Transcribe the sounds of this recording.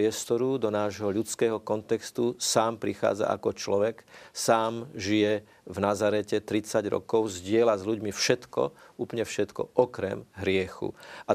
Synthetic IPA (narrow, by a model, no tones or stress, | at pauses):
ɛst̪ɔɾud̪ɔnaːʒɦɔʎut͡skɛːɦɔkɔnt̪ɛkst̪usaːmpɾixa̰ːd͡za̰ʔa̰kɔt͡ʃlɔʋɛksaːmʒijɛ | vnazaɾɛcɛt̪ɾit͡saɟɾɔ̰kɔʊzɟɪɛlazʎuɟmifʃɛt̪kɔ̰uːplɲɛfʃɛt̪kɔ̰ʔɔkɾɛ̰mɦɾɪɛxṵa